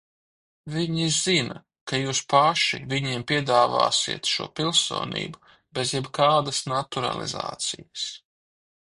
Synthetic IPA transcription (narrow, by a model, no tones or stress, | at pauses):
viɲizzina | kajuːspaʃiviɲiɛmpʲiɛd̪aːva̰ːsḭɛt̪ʃṵɔpʲilˠso̰ːnḭːbu | bezjɛbkaːd̪ɐsnat̪uɾa̰lˠḭza̰ːt̪sijɐs